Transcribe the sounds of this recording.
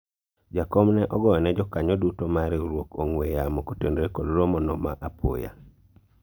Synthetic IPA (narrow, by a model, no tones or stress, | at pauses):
d͡ʒakɔmnɛʔɔɡɔjɔnɛd͡ʒɔkaɲɔdutomaɾeoɾwokoŋwejamokotendɾekoloɾomɔnɔma̰ʔapʰo̰ja̰